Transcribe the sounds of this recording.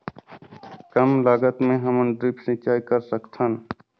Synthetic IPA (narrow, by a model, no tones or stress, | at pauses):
kəmlaːɡət̪mẽɦəmənɖɾipsɪ̃t͡ʃaːikəɾsəkt̪ʰən